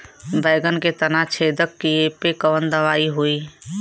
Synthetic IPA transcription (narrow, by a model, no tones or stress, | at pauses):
bəɪɡənket̪ənat͡ʃʰeːd̪əkːiepekəʋənd̪əʋaːiɦoi